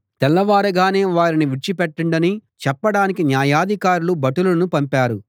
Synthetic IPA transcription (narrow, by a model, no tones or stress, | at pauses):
t̪ɛlːɐʋaːɾɐɡaːne̞ːʋaːɾiniʋiʈt͡ʃipɛʈːɐɳɖɐnit͡ʃɛpːɐɽaːnikinjaːjaːd̪ʱikaːɾulubɐʈulɐnupɐmpaːɾu